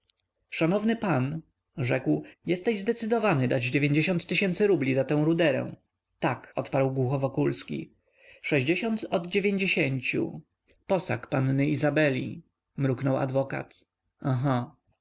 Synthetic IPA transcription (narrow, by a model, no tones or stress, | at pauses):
ʂanɔvnɘpan | ʐɛkwjɛst̪ɛʑzd̪ɛt̪sɘd̪ɔvanɘd̪ad͡ʑd͡ʑevʲjeɲd͡ʑeɕɔ̃nt̪ːɘɕɛnt̪sɘɾublʲizat̪ɛ̃w̃ɾud̪ɛɾɛ̰̃w̃ | t̪akɔt̪paɾwɡwuxɔvɔkulskʲḭ | ʂɛʑd͡ʑeɕɔnt̪ɔd̪d͡ʑevʲjeɲd͡ʑeɕeɲt͡ɕṵ | pɔsa̰kpanːɘizabɛlʲḭ | mɾuknɔwa̰d̪vɔka̰t̪ | ãɦa